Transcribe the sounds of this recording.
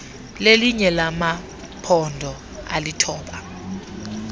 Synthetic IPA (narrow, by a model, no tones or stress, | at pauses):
leliɲɛlama | pʰɔndʱɔ | a̰litʰɔːɓa